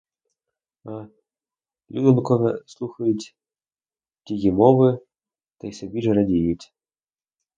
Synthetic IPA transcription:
a | lʲud̪ɔnkɔɣɐslˠuxɐjut͡sʲ | tʲiɣʲimɔvɨ | t̪ajsʲabʲiʐɨɾadʲijut͡sʲ

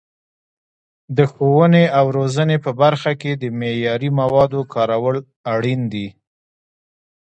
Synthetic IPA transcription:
d̪əxowəneawɾozənepəbaɾxaked̪əmejɑɾimawɑd̪okʰɑɾawəl | aɽind̪i

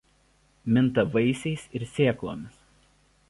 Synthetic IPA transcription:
mʲɪnt̪ɐʋɐɪsʲɛɪsɪɾsʲeːklˠo̰ːmʲɪs

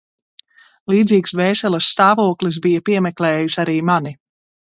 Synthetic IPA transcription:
lˠiːd̪ziːksvɛːsɛlˠɐsːt̪aːvuɔklis̬bijapiɛmɛklɛːjusaɾiːmani

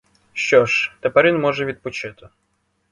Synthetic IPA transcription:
ɕːɔʂt̪ɐpɐɾʲinmɔʐɨvʲit̪̚ʲpʊt͡ɕɛt̪ʊ

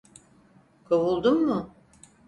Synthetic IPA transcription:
kʰawulˠd̪umːʊ

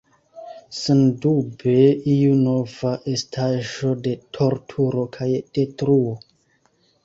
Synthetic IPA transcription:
sendubeijuno̞vaʔe̞stʰaʒo̞de̞tʰo̞ɾtʰuɾo̞kʰajd̥e̞tɾuo

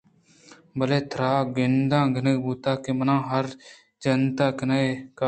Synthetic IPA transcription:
bəleːt̪ʰɾaːɡɪnd̪ãːɡənəɡbuːt̪aːkeːmənãːɦəɾ | d͡ʒənt̪aːkɪnaeːkaː

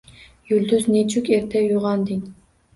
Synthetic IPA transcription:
jyld̪yznet͡ʃʰykʲeɾt̪ʰɛjuʁɑnd̪ɪn

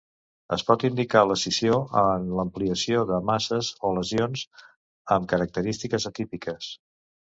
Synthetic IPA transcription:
ə̰spɔt̪ind̪ikaləsisioənləmpliəsioðəmasəzoləzionz | əmkəɾək̚t̪əɾist̪ikəzət̪ipikəs

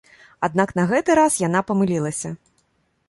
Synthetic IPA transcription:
ad̪̚naknɐɣɛt̪ɨɾasjanapɐmɨlʲilˠɐsʲɐ

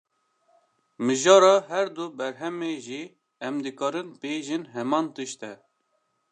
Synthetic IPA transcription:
mɨʒɑːɾɑːɦɛɾd̪ubɛɾɦɛmeːʒi | ɛmd̪ɨkɑːɾɨnbeːʒɨnɦɛmɑːnt̪ɨʃt̪ɛ

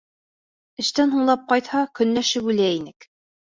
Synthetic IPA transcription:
ɘ̆ʃt̪ænɦuɴlˠɑp̚qɑjt̪hɑkɵ̆nlæʃɘpʉlæinɘk

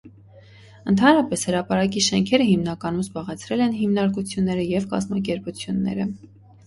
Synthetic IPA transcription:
ənt̪ʰɑnɾɑpɛshəɾɑpɑɾɑk̬iʃɛŋkʰɛɾəɦimnɑkɑnumzbɑʁɛt͡sʰɾɛlɛnɦimnɑɾkut͡sʰjunːɛɾəjɛvkɑ̰zmɑk̬ɛɾput͡sʰjunːɛ̰ɾə

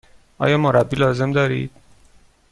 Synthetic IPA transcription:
ʔɒ̰ːjɒːmoɾæbːiːlɒːze̞md̪ɒːɾḭːd̪̥

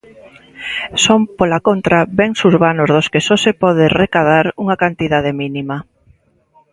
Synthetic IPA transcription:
sompolakont̪ɾaβɛŋsuɾβanʊzðoskesɔsepɔð̞erekað̞aɾuŋakant̪iðað̞eminima

